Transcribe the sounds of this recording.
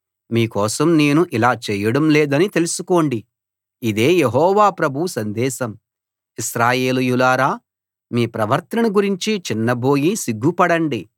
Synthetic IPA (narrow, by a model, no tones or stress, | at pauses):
miːkɔːsɐmne̞ːnuʔilaːt͡ʃɛːjɐɽɐmleːd̪ɐnit̪e̞lusuko̞ːɳɖi | id̪e̞ːje̞ɦɔːʋaːpɾɐbʱusɐnd̪ɛːsɐm | isɾaːje̞ːlujulaːɾaː | miːpɾɐʋɐɾt̪ɐɐnɐɡuɾiɲt͡ʃit͡ʃinːɐbo̞ːjisiɡːupɐɽɐɳɖi